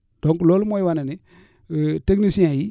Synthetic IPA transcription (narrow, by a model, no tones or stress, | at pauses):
d̥ɔŋklolmojiwanɛni | teknisiãji